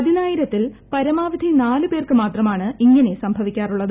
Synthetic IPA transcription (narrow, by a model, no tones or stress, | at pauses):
ɐd̪ʱinaːjiɾɐt̪ːilpɐɾɐmaːʋid̪ʱinaːlɨpe̞ːrkɨmaːt̪rɐmaːɳɨiŋːɐne̞sɐmbʱɐʋikʲːaːruɭːɐðɨ